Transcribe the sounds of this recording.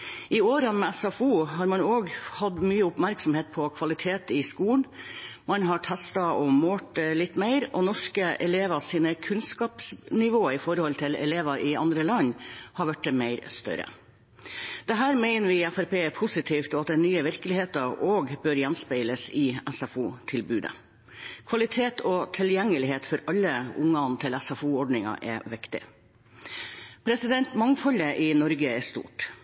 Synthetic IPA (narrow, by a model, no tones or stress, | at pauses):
ʔɪoːɾənmɛæsɑfuːɦɑːɾmɑnoːɡhɑd̪myːəʊpmæɾksɔmheːt̪̚pʰɔkʰʋɑlɪt̪ʰeːt̪ɪskuːnmɑnɦɑʈʰæst̪ɑɔmoːʈlɪt̪ːmeɪɾɔnɔʂkəʔɛ̰leːʋɑsiːnəkʰʉnskɑːpsnɪʋoːɪfɔɾhɔlt̪ʰɪlɛ̰leːʋɑʔɪɑ̰nd̪ɾəlɑɲːhɑɾʋæʈ̚d̪ɛmeɪɾst̪œ̰ɾə̰ | d̪̥ɛɦæːɾmæɪnəɾʋɪæfæɾpeːɛpʰʊsɪt̪ʰiːft̪ɔɑt̪̚d̪ɛnyːəʋɪɾkəlɪheːt̪ɑʔoːɡbøɾjɛnspæɪləsɪɛsɑfuːt̪ʰɪlbʉːd̪ə̰ | kʰʋɑlɪt̪ʰeːt̪ʰɔt̪ʰɪljɛŋːəlɪɦeːt̪fɔɾɑlːəʊŋːɑnt̪ʰɪlɛsɑfuːɔɖnɪŋɑ̰ʔɛʋɪkt̪ɪ̰ | pʰɾɛsɪd̪ɛnt̪mɑŋfɔləʔɪnɔɾɡəɛʂt̪ṵːʈ